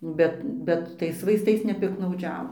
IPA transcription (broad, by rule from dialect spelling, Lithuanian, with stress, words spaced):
ˈbʲɛt ˈbʲɛt ˈtɐɪs ʋɐɪsˈtɐɪs nʲɛpʲɪktnɐʊˈd͡ʒʲæːʋoː